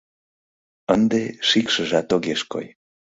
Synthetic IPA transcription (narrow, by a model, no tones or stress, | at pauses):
ənd̪eʃikʃəʒɑt̪oɣeʃko̰j